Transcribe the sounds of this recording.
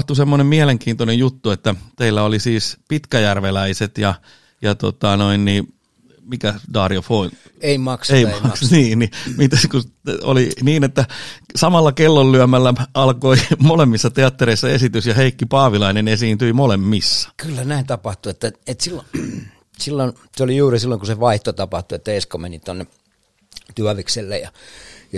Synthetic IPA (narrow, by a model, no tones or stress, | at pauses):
ht̪usemːonemmiæleŋkiːnt̪onejjut̪ːuet̪ːæt̪eilːæolisiːspit̪kæjærʋelæiset̪jɑ | jɑt̪o̰t̪ɑnoinniː | mikædɑːriofoin | eimɑkseimɑksniːnnimit̪æskuo̰liniːnet̪ːæsɑmɑlːɑkelːollyæmælːæʔɑlkoimolemːisːɑt̪eɑt̪ːeɾeisːɑesit̪ysjɑheikːipɑːʋilɑinenesiːnt̪yimolemːisːɑ̥kylːænæint̪ɑpɑht̪uet̪ːæet̪silːo | silːon | seolijuːrisilːoiŋkuseʋɑiht̪ot̪ɑpɑht̪uet̪ːæeskomenit̪onːe | t̪yæʋikselːḛjjɑ̰jɑ